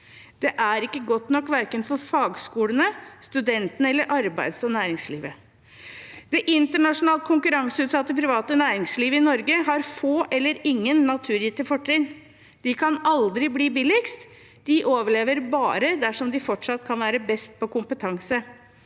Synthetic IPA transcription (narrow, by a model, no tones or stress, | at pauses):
d̪̥ɛʔæɾɪkːəɡɔt̪nɔkːʋæɾkənfɔɾfɑːɡskuːlənəst̪ʉd̪ɛnt̪ənəɛlːəɾʔɑɾbæɪd̪sɔnæːɾɪŋslḭːʋə | d̪̥ɛʔɪnt̪əɳɑʂʊnɑːlt̪̚kʰʊŋkʉɾɑŋsəʉːt̪sɑt̪ːəpʰɾɪʋɑːt̪ənæːɾɪŋsliːʋəɪnɔɾɡəɦɑɾfoːʔɛlːəɾɪŋːənːɑt̪ʰʉːɾjiːt̪əfɔʈʰːɪn | d̪̥ɪkʰɑnɑld̪ɾɪbliːbɪlɪkst̪ | d̪̥ɪʔoːʋəɭeːʋəɾbɑːɾəd̪æʂɔmd̪ɪfɔʈʂɑt̪ːkʰɑnʋæːɾəbɛst̪̚pʰɔkʊmpət̪ʰɑŋsə